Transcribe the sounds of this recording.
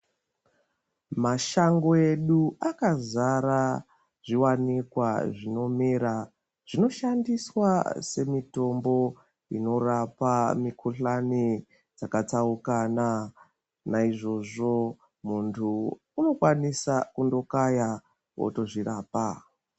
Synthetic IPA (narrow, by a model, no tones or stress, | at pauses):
maʃaŋɡo̞eɗuʔakazaɾa | ʐ̥iwanikwaʐino̞miɾa | ʐ̥ino̞ʃandiswase̞mito̞mbo̞ | ino̞rapamikʰuɬani | d͡zakat͡saukana | naiʐo̞ʐo̞ | muntʰu | uno̞kwanisakundo̞kaja | wo̰to̞ʐiraːpa